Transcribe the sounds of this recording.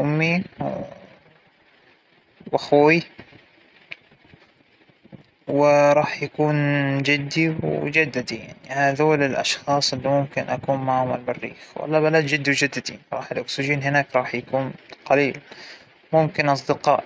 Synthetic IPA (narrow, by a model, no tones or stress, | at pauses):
ʔʊmːi | waxuːwi | wɪɾˤɑːħjakuːnd͡ʒɪd̪ːiwd͡ʒad̪ːad̪ija̰ʕnihaðoːlɪlʔɑ̰ʃxɑːsˤʔɪlːimʊmkɪnʔakuːnmaʕʊmalmarːḭːxwa̰lːɑbalaːd̪d͡ʒɪd̪ːiwd͡ʒad̪ːad̪iɾˤɑ̰ːħɪlʔʊksɪʒiːnhɪnaːkɾˤɑːħjakuːnqɑliːl | mʊmkɪnʔɑs̬ˤd̪ɪqɑːʔ